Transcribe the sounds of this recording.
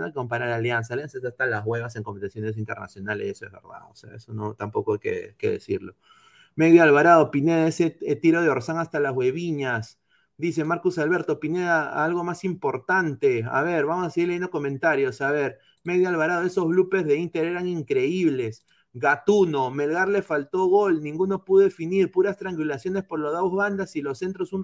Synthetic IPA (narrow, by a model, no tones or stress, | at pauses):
ako̞mpaɾaɾlaljansaːljansaesast̪alazɣwe̞βase̞ŋkompet̪asjone̞s̬int̪e̞ɾna̰sjo̞nalesesoe̞zβḛɾða̰oo̰sḛa̰ḛsonot̪ampo̞koajkḛke̞̰ðḛsḭɾlo̞ | meɣðialβaɾaðo̞pineðaeseet̪iɾo̞ð̞eoɾsaŋast̪alazɣwe̞βiɲas | d̪is̬e̞maɾkusalβe̞ɾt̪opineðaalɣo̞masimpo̞ɾt̪ant̪e̞a̰βe̞ɾβamosaseiɾleend̪oko̞mẽ̞nt̪aɾjo̞saβe̞ɾ | meðjalβaɾað̞oe̞so̞zβlupe̞zðe̞int̪e̞ɾe̞ɾaŋiŋkɾe̞iβle̞s | ɣat̪uno̞me̞lɣaɾlesfalt̪o̞ɣo̞lnĩŋɡuno̞puðoefiniɾpuɾast̪ɾaŋkwilasjo̞ne̞spo̞ɾlozðaozβand̪asilo̞sːe̞nt̪ɾosun